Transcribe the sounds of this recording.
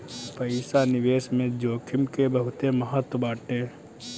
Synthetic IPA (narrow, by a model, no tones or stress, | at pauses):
pəɪsanɪʋeːsmẽd͡ʒoːkʰɪmkebəɦʊt̪eməɦət̪wəbaːʈeː